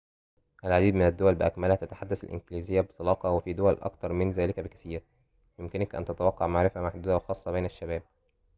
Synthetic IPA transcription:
ʔælʕad̪iːd̪mɪnæd̪ːowælbɪʔækmælhæt̪æt̪ḁħad̪ːæsæ̰lʔɪ̰nɡliːzɪjːæbet̪ˤɑlɑːqɑwefiːd̪owælʔɑ̰k̚t̪ɑɾˤmɪnzæːlɪkæbɪkæ̥siːɾ | jmkɪnækʔæ̰nt̪æt̪æwɑqːɑʕmaʕɾɪfæmaħd̪uːd̪æwexɑːsˤːɑbeːnæʃːæbæːb̚

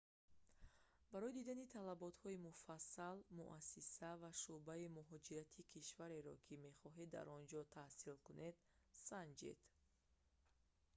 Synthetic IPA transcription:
baɾɔid̪id̪anit̪ʰalabɔt̪hɔimufasːalmṵʔasisavaʃubaimuɦɔd͡ʒiɾat̪ʰikʰiʃvaɾe̞ɾɔkʰime̞χɔɦed̪ːa̰ɾɔnd͡ʒɔt̪ʰahsilkunʔe̞d̪ | sand͡ʒḛd̪̥

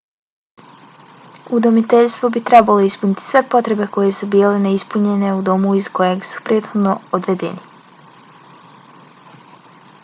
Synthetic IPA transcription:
ud̪omit̪e̞ʎst̪vʋo̞bit̪ɾe̞balo̞ispunit̪i̥sʋe̞po̞t̪ɾe̞be̞ko̞je̞subiːleneispuɲe̞ne̞ud̪o̞muizkojeɡsu̥pɾʲe̞ːd̪xo̞d̪no̞od̪ʋe̞d̪e̞̰ni

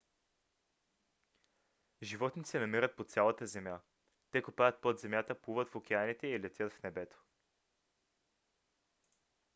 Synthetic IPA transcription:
ʒivɔt̪nit̪sɛnɐmiɾət̪̚pot̪sʲalˠət̪əzɛmja | t̪ɛkupajət̪̚pod̪zɛmjat̪əpuvət̪fokʲɛanit̪ɛilɛt̪ʲjət̪fnɛbɛt̪o̥

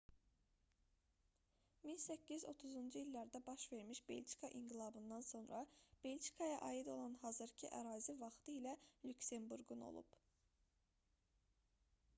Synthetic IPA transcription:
minsæcːizo̞̰t̪ʰuzund͡ʒuilʲːæɾd̪æbɑʃve̞ɾmiʃbḛlʲt͡ʃi̥kʰɑʔiŋɡilˠɑbɯnd̪ɑnso̞nɾɑb̥elʲt͡ʃi̥kʰɑjɑʔɑːid̪o̞lˠɑnɦɑzɯɾcʰiʔæɾɑːzivɑχt̪ʰɯilælʲycse̞mbuɾɡuno̞̰lˠṵb̥

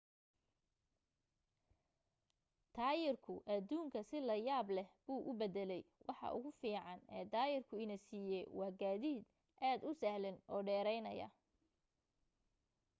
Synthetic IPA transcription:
t̪ʰaːjɪrkʰʊʔɐd̪uːŋkʰɐsɪlɐjaːblɛhbuːʔʊbɛd̪ɛlɛjwʔɑħɑ̰ʔʊ̰ɣʊfiːʕɑnɛ̰ːd̪aːjɪrkʰʊɪnɐsiːjɛwɑːɡaːðiːd̪ | ʔaːd̪ʊsɐhlɪnʔɔːɖɛːɾɛjnɐjɐ̰

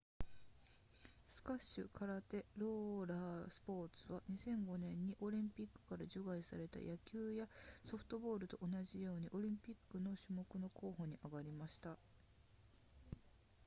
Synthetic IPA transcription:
sɨ̥kaɕːɨ̰kʰaɾat̪e̞ɾo̞ːɾasɨ̥po̞ːt͡sɨβaɲ̟isẽ̞ŋɡo̞nẽ̞ɲ̟ːiʔo̞ɾʲĩmpʲikːɯ̥kaɾaʑoɡaisa̰ɾe̞t̪a̰jʔakʲɨːjaso̞ɸɯ̟̥t̪o̞bo̞ːɾɯ̟t̪o̞ʔonaʑijo̞ːɲ̟iʔo̞ɾʲĩmpʲikːɯno̞ɕɨmo̞kɯ̟no̞ko̞ːho̞ɲ̟iʔaɡaɾʲimaɕi̥t̪a

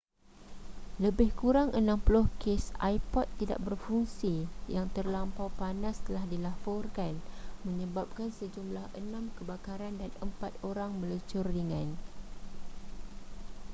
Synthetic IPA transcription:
ləbɪhkuɾaŋʔənãmplʊhkesa̰jpɔt̪ːida̰ʔ̚bərfuŋsijaŋt̪ərlampawpanãst̪əlahdilafɔrkanmə̃ɲə̃bap̚kansəd͡ʒumlahʔənãmkəbakaɾandanəmpat̪̚oɾaŋmə̃lət͡ʃʊrdəŋãn

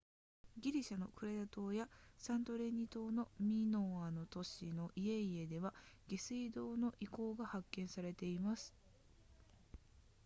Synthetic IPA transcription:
ɡʲiɾʲiɕano̞kɯ̟ɾe̞d̪at̪o̞ːjasãnt̪o̞ɾe̞ɲ̟it̪o̞ːno̞mʲinoːano̞t̪o̞ɕino̞ʔie̞ie̞d̪e̞βaɡ̥e̞sɨid̪o̞ːno̞ʔiko̞ːɡahakːẽ̞ɰ̃saɾe̞t̪e̞imasɨ̥

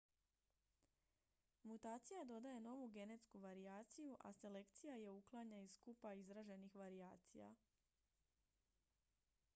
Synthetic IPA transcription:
mut̪aːt̪sijad̪o̞d̪aje̞no̞ʋuɡe̞ne̞t̪skuʋaɾiaːt̪sijuʔa̰se̞le̞kt̪sijaje̞uklˠaɲaiskupaizɾaʒe̞nixʋaɾiaːt̪sḭja̰

